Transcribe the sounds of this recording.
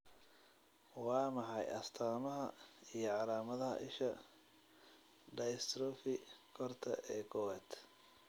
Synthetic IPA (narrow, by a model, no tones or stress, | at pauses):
wɑːmɑħɑjɐst̪ʰaːmɐɦɐ̰ijɞʕɑlaːmɐðɐɦɐ̰ʔɪʃɐ | ɖɐjst̪ʰɾɔfɪkʰɔrt̪ʰɐʔɛːkʰɔwɛːt̪